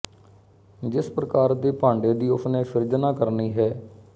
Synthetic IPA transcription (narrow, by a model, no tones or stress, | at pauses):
d͡ʒɪspɾəkaːɾd̪eːpãːɳɖeːd̪iːʊpʰnẽːfʰɪɾd͡ʒənãːkəɾniːɦɛː